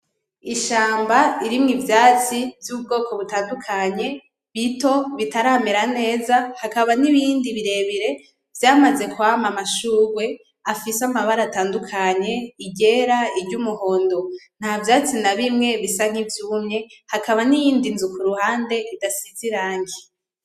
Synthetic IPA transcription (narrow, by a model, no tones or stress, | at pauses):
iʃaːmbaiɾimŋivjaːt͡sivjub̚ɡo̞ːko̞βutaːndukʰaɲe̞ | βito̞βitaɾaːmeɾane̞ːzahakaβaniβiːndiβiɾe̞βiɾe̞ | v̥jaːmaze̞kuamamaʃuːɾwe̞ | afisamaβaɾataːndukʰaɲe̞iɟe̞ɾaiɾɟumuho̞ːndon̥havjaːt͡sinaβimŋe̞βisaŋ̥hivjuːmɲe̞hakaβanijiːndinzukuɾuhaːnde̞ʔidasiziɾaːŋɡi